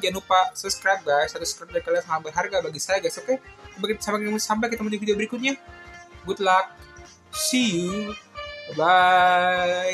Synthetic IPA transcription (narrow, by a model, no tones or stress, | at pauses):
d͡ʒanupasəskɾap̚ɡasat̪uskɾap̚ɡakalasamabərɦarɡabaɡisajaɡasokambakisamakmusambakit̪amunt̪iufidiobəɾikʊt̪̚ɲaɡut̪̚lak̚ | si | ba